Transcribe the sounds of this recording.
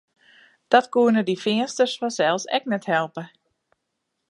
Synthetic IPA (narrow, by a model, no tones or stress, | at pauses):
d̥ɔtkuənədifɪənstərsfɔsɛlˠsɛ̰k̚nɛthɛlˠpə